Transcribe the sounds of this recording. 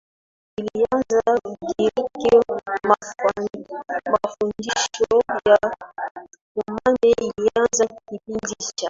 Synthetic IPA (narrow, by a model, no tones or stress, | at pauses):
ilianzakikiɾikima | mafundiʃɔja | kumanɛilianzakipindit͡ʃa